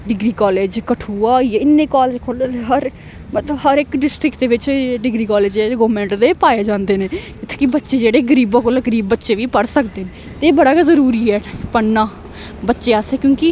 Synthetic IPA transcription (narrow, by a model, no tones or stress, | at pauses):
ɖɪɡɾiːkaːleːd͡ʒkəʈʰuːaːiɪnːẽːkaːleːd͡ʒkʰoːlet̪eɦəɾ | mət̪ləbɦəɾɪkɖɪsʈɾɪkʈ̚d̪eːʋɪt͡ʃːɖɪɡɾiːkaːleːd͡ʒeɡoːmɛ̃ːɳʈd̪eːpaːjeːd͡ʒãːnd̪eːneːd͡ʒɪt̪ʰːe̥ːkɪbətːʃeːd͡ʒeːɽeːɡəɾiːbãːkoːlɡəɾiːbːətːʃeːʋiːpəɽsək̚d̪eːneː | t̪eeːbəɽaːkːzəɾuːɾiːɦɛːpənːãː | bətːʃeːasɛːkjõːkɪ